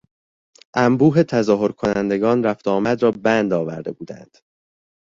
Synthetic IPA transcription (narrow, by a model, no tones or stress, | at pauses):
ʔæmbuːɦe̞t̪ʰæzɒːɦo̞ɾkʰo̞nænd̪e̞ɡɒːnɾæft̪ɒːmæd̪ɾɒːbænd̪ɒːvæ̰ɾd̪e̞̰buːd̪æ̰nd̪̥